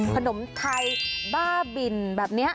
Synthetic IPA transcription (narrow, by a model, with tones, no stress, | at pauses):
kʰa˧no˩˦mt̪ʰa˧jbaː˥˩bi˨˩nbɛː˨˩p̚ni˦˥ɐ